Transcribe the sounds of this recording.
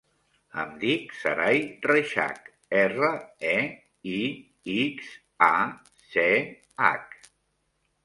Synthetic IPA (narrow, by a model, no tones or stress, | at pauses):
ə̰md̪iksə̰ɾajreʃa̰k | ɛrəɛ | i | iks | a | se | a̰k